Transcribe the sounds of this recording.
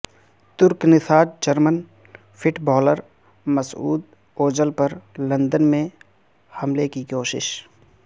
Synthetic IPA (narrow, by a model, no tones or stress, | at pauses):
t̪ʊɾknɪsʰaːɾ̚d͡ʒəɾmən | pʰɪʈbɔːləɾ | məsṵːd̪ | oːd͡ʒəlpəɾlə̃nd̪ənmẽ | hɐmlekikoːʃɪ̰ʃ